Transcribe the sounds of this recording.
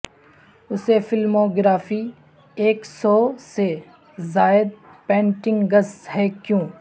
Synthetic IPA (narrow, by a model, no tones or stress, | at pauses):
ʊsefɪlmoːɡɾaːfi | eːksɔːse | zaːɪd̪̚pɛ̃ːɳʈɪ̃ŋɡɡəshɛːkjõː